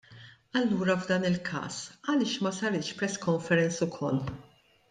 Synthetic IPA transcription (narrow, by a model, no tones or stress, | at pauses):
ɐlːuːɾɐvd̪ɐːnɪlkʰɐ̰ːsɐlɪːʃmɐsɐɾɪːʃpɾɛskɔɱfɛɾɛnt͡sʊkʰɔlː